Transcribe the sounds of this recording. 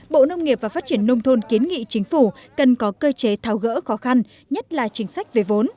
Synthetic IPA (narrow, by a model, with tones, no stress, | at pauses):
ɓo̰˧˨nə˧wŋ͡mŋi˨˩əp̚vaː˨˩faː˦˥t̚t͡ɕi˧˩ənːə˧wŋ͡mt̪ʰo˧nki˨˦ənŋḭ˧˨t͡ɕï˨˦ŋ̟fu˧˩kə˨˩nkɔ˨˦kəː˧t͡ɕe˨˦t̪ʰaː˨˧˩wɣə̰ː˧˥xɔ˨˦xa˧n | ɲə˦˥t̚laː˨˩t͡ɕï˨˦ŋ̟sa˦˥jk̟̚ve˨˩vo˨˦n